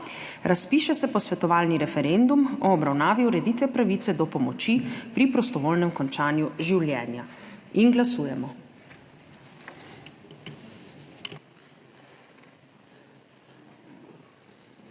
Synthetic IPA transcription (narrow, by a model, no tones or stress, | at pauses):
ɾaspiːʃɛsɛpɔsʋɛt̪ɔʋaːlniɾɛfɛɾend̪umɔːbɾawnaːʋiuɾɛd̪it̪ʋɛpɾaʋiːt̪sɛd̪ɔpɔmɔt͡ʃipɾipɾɔst̪ɔʋoːlnɛmkɔnt͡ʃaːnjuʒiwljɛːnjainɡlasuːjɛmɔ